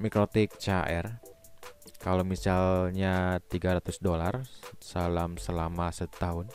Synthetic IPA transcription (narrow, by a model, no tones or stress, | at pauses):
mikɾot̪ɪk̚t͡ʃaʔɛr | kalomisalɲat̪iɡaɾat̪ʊsdolarsalamsəlamasət̪aɦʊn